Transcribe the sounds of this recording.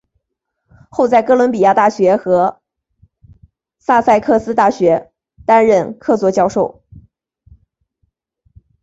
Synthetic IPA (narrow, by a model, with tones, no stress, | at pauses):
xo˥˧ʊt͡sa˥˩ɪkɤ˥lwə˧˥npi˨˩ja˥˧t̪a˥˩ɕɥɛ˧˥xɤ˧˥ | sa˥˧sa˥˧ɪkʰɤ˥˩sɹ̩˥t̪a˥˩ɕɥɛ˧˥ | t̪a˥nɻə˥˧nkʰɤ˥˧t͡swɔ˥˩t͡ɕjɑ˥˧ʊʂo˥˩ʊ